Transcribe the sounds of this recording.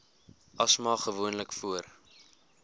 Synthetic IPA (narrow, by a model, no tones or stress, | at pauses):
ʔɐsmɑːχəvuənləkfuər